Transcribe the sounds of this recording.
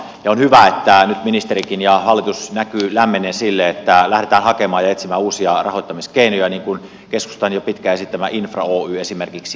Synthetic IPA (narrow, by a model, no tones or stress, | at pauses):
jɑonhyʋæet̪ːænyt̪minist̪eɾikinjɑhɑlːit̪usnækylæmːeneːnsilːeet̪ːælæhɾet̪æːnhɑkemɑːjɑet̪simæːuːsiɑrɑ̰hoit̪ːɑmiskeinojæniːŋkun | kesku̥st̪ɑnjopit̪kæesit̪t̪ːæmæʔinfrɑ̰oːyːesimerkiks